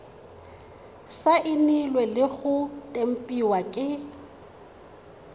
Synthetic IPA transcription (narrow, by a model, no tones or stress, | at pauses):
saʔɪnilwɛlɪɣʊtʼem̩pʼiwakʼɪ